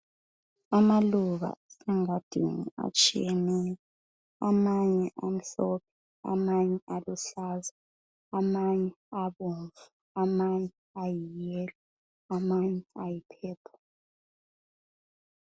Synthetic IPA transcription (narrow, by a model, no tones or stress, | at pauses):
amaluɣa̰sɛŋad̥ʱḭŋṵa̰t͡ʃʼḭjɛnɛːja | amaɲɛʔam̩ɬɔp̚ʰɛ̥ | a̰maɲɛʔaluɬaːza | amaɲɛ | aβunvu | amaɲɛ | ajijɛːli | amaɲɛajipʰɛːpʰɔ̥